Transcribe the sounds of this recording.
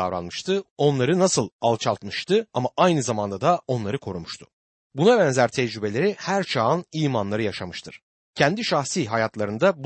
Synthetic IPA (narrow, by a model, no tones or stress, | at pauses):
avɾa̰nmɯʃt̪ʰɯo̞nlˠaɾɯnasɯlˠalˠt͡ʃʰalˠt̪mɯʃt̪ʰɯamaʔajnɯzamand̪ad̪ao̞nlˠaɾɯkʰo̞ɾumuʃt̪ʰʊ̥ | bunabɛnzæɾt̪ʰɛd͡ʒɾybe̞lʲeɾihæɾt͡ʃʰaːɯniːmanlˠaɾɯjaʃamɯʃt̪ʰɯɾ̥ | cʰɛnd̪iʃaxsiːɦajat̪lˠaɾɯnd̪ab